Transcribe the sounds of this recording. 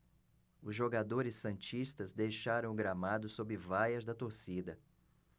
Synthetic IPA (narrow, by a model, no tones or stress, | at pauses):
ʊzʒoɡad̪oɾɪsɐ̃t͡ʃist̪ɐzd̪ejʃaɾɐ̃w̃ʊɡɾamad̪ʊsobɾɪvajɐzd̪ɐt̪oɾsid̪ɐ